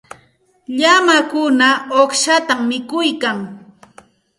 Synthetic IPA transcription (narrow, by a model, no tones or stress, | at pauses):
ʎamakʊnaoχʃat̪amːɪkʊjkaŋ